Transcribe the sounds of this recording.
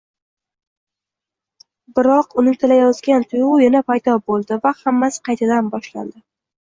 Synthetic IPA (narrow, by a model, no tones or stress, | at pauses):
bɪɾɒqʊnɪt̪ʰɪlajɒzɡʲant̪ʰʊjʁʊjɪnapʰajd̪ɒbolˠd̪ɪvahamːasqʰɑjt̪ʰad̪anbɒʃla̰nd̪ɪ